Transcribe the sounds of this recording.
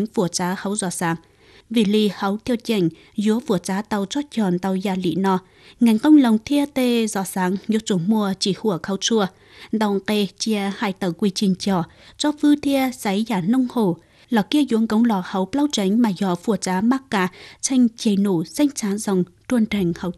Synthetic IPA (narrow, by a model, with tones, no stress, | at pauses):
ŋ̟fu˧˩ət͡ɕaː˨˦hə˨˦wzɔ˧˦saː˨˦ŋ | vi˧˩li˧˨hə˨˦wt̪ʰi˧ət͡ɕa˧˩ŋ̟ | zu˧˦əfu˧˩ət͡ɕaː˨˦t̪a˨˩wt͡ɕɔ˧˦t͡ɕɔ˨˩nt̪a˨˩wzaː˨˩lḭ˧˨nɔ˧˩ | ŋa˨˩jŋ̟kə˧wŋ͡mlə˨˩wŋ͡mt̪ʰi˧ət̪e˧˩zɔ˧˦saː˨˦ŋzu˨˦t͡ɕo˨˧˦mu˧ət͡ɕi˧˩hu˧˩əkʰa˨˦wt͡ɕu˧ə | ɗ̪ɔ˨˧˩ŋke˧t͡ɕi˧əhaː˧˨jt̪əː˧˩kwi˧˩t͡ɕï˨˩ŋ̟t͡ɕɔ˧˩ | t͡ɕɔ˧˦fɨ˧t̪ʰi˧əsa˨˦jzaː˧˩nə˧wŋ͡mho˧˨˩ | lɔ˧˩ki˧əzu˨˦əŋkə˨˦wŋ͡mlɔ˧˩hə˨˦wplaː˧wt͡ɕa˨˦ŋ̟maː˨˩zɔ˨˧˩fu˧˩ət͡ɕaː˨˦maː˦˥kkaː˧˩t͡ɕa˧jŋ̟t͡ɕi˨˧˨jno˧˩sa˧jŋ̟t͡ɕaː˨˦zə˨˩wŋ͡m | t̪u˧ənt̪ə˨˩ŋ̟hə˨˦w